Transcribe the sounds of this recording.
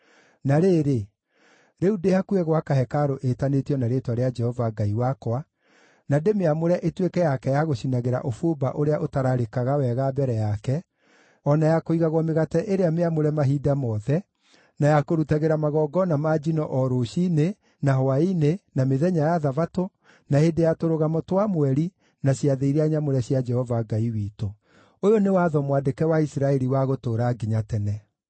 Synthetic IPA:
naɾeɾe | ɾeudehakuɛɣwakaɦɛkaɾoʔetanetiɔnaɾetwaɾead͡ʒɛhɔvaɡaiwakwa | nademeamoɾɛʔetwekɛjakɛjaɣoɕinaɣeɾa̰ʔofobaʔoɾeaʔotaɾaɾekaɣawɛɣabɛɾɛjakɛ | ɔnajakoiɣaɣwɔmeɣatɛʔeɾeameamoɾɛmaɦidamɔðɛ | najakoɾutaɣeɾamaɣɔːɡɔnamad͡ʒinɔʔɔɾoʃine | naɦɔainenameðɛɲajaðavato | nahedejatoɾoɣamɔtwamwɛɾi | naɕjaðeiɾeaɲamoɾɛɕjad͡ʒɛhɔvaɡaiwiːto | ojonewaːðɔmwadekɛwaisɾaɛɾiwaɣotoːɾaɡiɲatɛnɛ

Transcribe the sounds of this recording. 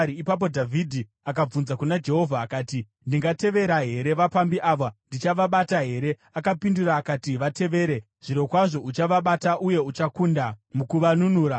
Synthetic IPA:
iipap̬o̞dʱavʱidʱi | ak̬ab͡vunzakunad͡ʒe̞ɦo̞vʱaːkaːti | ndiŋɡate̞ʋe̞ɾaɦe̞ɾe̞ʋapambiʔaʋandit͡ʃaʋaɓataɦe̞ɾe̞ | akapinduraːkatiʋate̞ʋe̞ːɾe̞ | ʐ̥iɾo̞kwaʐo̞ut͡ʃaʋaɓataʔuje̞ut͡ʃakundamukuʋanunuːɾa

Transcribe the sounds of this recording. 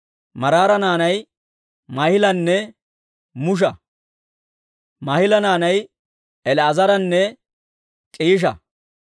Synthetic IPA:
mɐɾaːɾɐnaːnɐj | mɐhɪlɐnːɛ | mʊʃ̬ɐ | mɐhɪlɐnaːnɐj | ɛlɛɐzɐɾɐnːɛ | t͡ʃʼiːʃ̬ɐ̰

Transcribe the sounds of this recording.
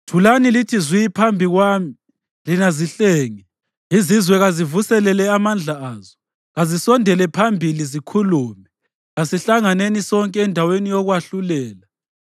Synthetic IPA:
tʰulanilitʰizwiipʰambʱiɣwaːmi | linaziɬeːŋi | izizwɛɣazivusɛlɛlɛamand͡ɮʱaaːzɔ | ɣazisɔndʱɛlɛpʰambʱilizikʰuluːmɛ | ɣasiɬaŋanenisɔŋkʼɛːndʱawenijɔɣwaɬulɛːla

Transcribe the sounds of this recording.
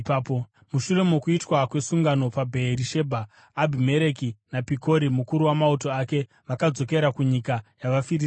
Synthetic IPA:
papo | muʃure̞mokuitwakwe̞suŋɡano̞pabʱe̞ːɾiʃe̞bʱaː | bʱime̞ɾekinapiko̞ɾimukuɾuwamauto̞ake̞ | ʋakad͡zo̞ke̞ɾakuɲikajaʋafiɾi

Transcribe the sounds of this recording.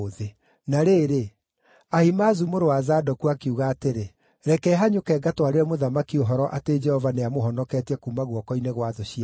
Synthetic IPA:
ðe | naɾeːɾe | ahimazumoɾowazadɔkuakeuɣaːteɾe | ɾɛkɛɦaɲokɛːɡatwaɾeɾɛmoðamakioɦɔɾɔʔated͡ʒɛhɔvaneamoɦɔnɔkɛtɛkumaɣwɔkɔineɣwaðoɕia

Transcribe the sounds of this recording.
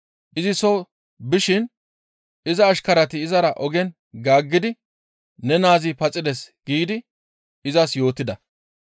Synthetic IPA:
ʔɪzɪsɔ | bɪʃɪn | ɪzɐːʃkɐɾɐt̪ɪːzɐɾɐʔɔɡɛn | ɡaːɡːɪd̪ɪ | nɛnaːzɪpɐt͡sʼɪd̪ɛsɡ̥iːd̪ɪ | ɪzɐsjo̞ːt̪ːɪd̪ɐ

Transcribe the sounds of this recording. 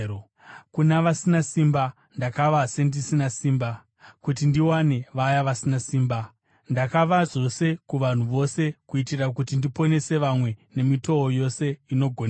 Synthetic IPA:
kunaʋasinasimba | ndakaʋase̞ndisinasiːmba | kutindiwane̞ʋajaʋasinasiːmba | ndakaʋazo̞se̞kuʋan̤uʋo̞se̞kuitirakutindipo̞ne̞se̞ʋamwe̞ne̞mito̞ojo̞se̞ino̞ɡʱon

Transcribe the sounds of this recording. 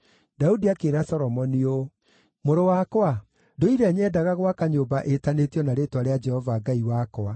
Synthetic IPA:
daudiakeːɾasɔɾɔmɔnio | moɾowakwa | doiɾɛɲɛːdaɣaɣwakaɲoːbaʔetanetjɔnaɾetwaɾead͡ʒɛhɔvaːɡaiwakɔa

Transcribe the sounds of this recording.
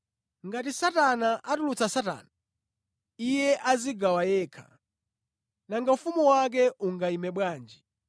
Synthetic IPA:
ŋɡat̬isatanaʔatulut͡sasata̰ːna | ijɛʔaziɡawajɛːkʰa̰ | naŋɡaufumuwak̬ɛʔuŋɡaimɛɓwaːnd͡ʒi

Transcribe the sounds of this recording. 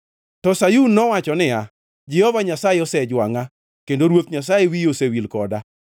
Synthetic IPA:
tɔsajunːɔwat͡ʃɔnɪa | d͡ʒɛhɔvaɲasajeɔsɛd͡ʒwaŋa | kendoɾwot̪ɲas̬ajewiosewilkɔda

